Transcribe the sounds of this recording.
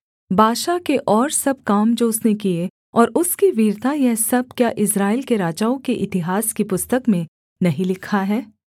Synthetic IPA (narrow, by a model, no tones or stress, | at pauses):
bʱaːʃakeʔɔːɾsɐb̚kaːmd͡ʒoːʊsnek̬ie | ɔːɾʊskiʋiːɾt̪ʰajɛɦsɐb̚kjaʔɪsɾaːɪlkeɾaːd͡ʒaːõkeʔɪt̪ɪɦaːskipʊst̪əkmẽ | nɐɦĩlɪkʰaɦɛː